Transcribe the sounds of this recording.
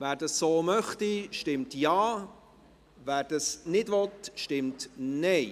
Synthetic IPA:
væːɾdɑsːoːmœχtiʃtɪmtjaː | væːɾd̥ɑsnɪdvɔtʃtɪmtnɛɪ

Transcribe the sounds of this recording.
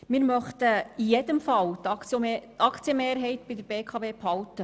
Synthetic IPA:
mɪːɾmœχt̪əijɛdəmfɑlt̪ɑt͡sːt̪ɑkt͡sjəmeːɾɦɛɪt̪bidəɾbeːkʰɑbeːphɑltə

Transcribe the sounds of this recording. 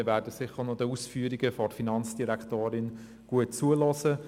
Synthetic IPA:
ʋæːɾdəsɪχənɔdəusfyəɾiɡəfɔrfinɑnt͡sd̥iɾæktoːɾɪn | ɡ̥uət̚t͡suəlɔsə

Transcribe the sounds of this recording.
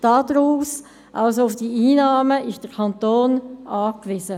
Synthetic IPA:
d̥ɑːdɾuːs | ʔalsoʊfd̥iʔiːnɑːməʔɪʃd̥əɾkʰɑntoːnʔɑːkʋɪsə

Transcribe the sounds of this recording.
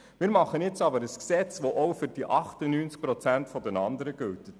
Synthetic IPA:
mɪːɾmɑχənjɪt͡sɑbəɾəsksɛt͡sʋoʔɔwfʏɾd̥iʔɑχtənyːnt͡sk̚pɾɔt͡sæntfɔdɛnɑndəɾəɡ̥ʉltət

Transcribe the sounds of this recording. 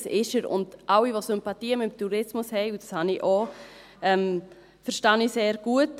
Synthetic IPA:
sɪʃəɾʊ̰ndʔawiʋosʏmpɑtiːəmɪmtuɾɪsmʊshɛɪud̥ɑshɑniʔo | ɛm | fəɾʃtɑniseːɾɡ̥uət

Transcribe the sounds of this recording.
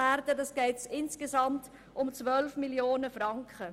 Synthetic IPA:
æːɾdədɑsɡ̥ɛɪtsɪnskesɑmt | ʊmt͡svœlfmiljoːnəfrɑŋkχə

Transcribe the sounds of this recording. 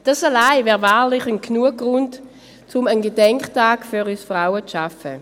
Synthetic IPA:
d̥asalaɪvɛːʁvaːlɪχənkʰnuəɡ̚ɡ̥ʁʊnt | t͡sʊmənɡedɛŋkχtaːɡ̥fyʁysfʁaʊət͡sʃafə̰

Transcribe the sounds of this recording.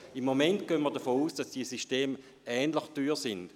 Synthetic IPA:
imːomɛnt̚ɡ̥øənmiɐdɐfoːuːsd̥asd̥iəsiʃteːm | ɛːnləχtyːʁsɪnd̥

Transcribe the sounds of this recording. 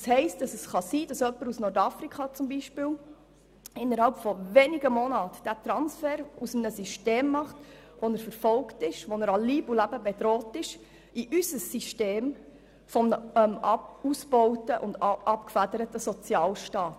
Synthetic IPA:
shɛɪstd̥ɑsəsχɑsiːd̥ɑsœpːəɾusnɔɾtɑfɾikχɑt͡sʊmbiʃpɪl | ɪnːəɾhɑlpfɔvenɪɡəmonɑːtd̥ætɾɑnsfɛːɾusəmnəsiʃteːmːɑχt | ʋɔnəɾfəɾfɔlktɪʃʋɔnəɾɑliːbulæbəbedɾɔːtɪʃ | iʔysəsːiʃteːm | fɔmnəɛmɑusb̥ɔʊtəʔʊndʔɑpkfædəɾətəsɔt͡sjɑːlʃtɑːt

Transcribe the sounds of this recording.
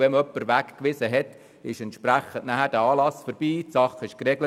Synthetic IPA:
vɛmœpːəɾʋækkʋɪsəɦɛt̪ | ɪʃɛnt̪ʃpɾæχənʔnæhæɾd̥æɑːlɑsfɔɾb̥iːtsɑχɪʃkrɛɡlə

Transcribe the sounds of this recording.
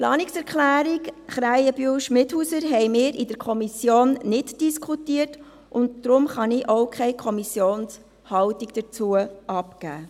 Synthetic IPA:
plɑ̰ːniksɛɾkχlæːɾikχɾæjəb̥yəwʃmɪthusəɾɦɛɪmɪːɾɪd̥əɾkʰɔmisjoːnnɪdd̥iskχutiərt | ʔʊntd̥ɾʊmχɑnɪʔoʊkχɛɪkʰɔmisjoːns | hɑwtikd̥ət͡suəʔɑpkæː

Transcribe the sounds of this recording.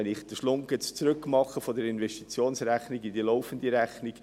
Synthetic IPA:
ɛnɪχd̥̪əʃlʊŋkɛt͡st͡sɾʏkmɑχəfɔd̪əɾɪnvɛʃtit͡sjoːnsɾæχniɡid̪iloʊfən̩d̪iɾæχnɪɡ

